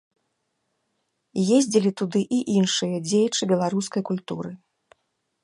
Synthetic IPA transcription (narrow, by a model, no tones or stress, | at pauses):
jezʲd͡zʲilʲit̪ud̪ɨʔiʔinʂɨjɐd͡zʲejɐt͡ʂɨbʲɛlˠaɾuskɐjkulʲt̪uɾɨ